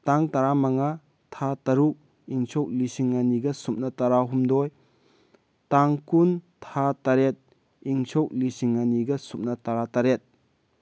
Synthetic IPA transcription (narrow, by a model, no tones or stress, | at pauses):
taŋtɐɾamaŋa | tʰatɐɾuk̚ | iŋt͡ʃʰok̚lisiŋːɐniɡɐsup̚nɐtɐɾaɦumdɔj | taŋkuntʰatɐɾet̚ | iŋt͡ʃʰok̚lisiŋːɐniɡɐsup̚nɐtɐɾataɾet̚